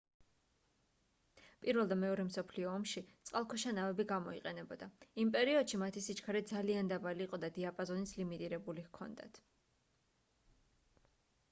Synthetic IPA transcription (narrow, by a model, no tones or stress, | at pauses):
pʼiɾvɛlˠd̪amɛɔɾɛmsɔpʰliɔːmʃit̪sʼqʼalˠkʰɔʃanavɛbiɡamɔḭqʼɛnɛbɔd̪aimpʼɛɾiɔd̪̥ʃimat̪ʰisit͡ʃʰkʰaɾɛd̪zaliand̪abaliːqʼɔd̪ad̪iapʼɔzɔnislimit̪ʼiɾɛbuliɣkʰɔ̰nd̪a̰t̪ʰ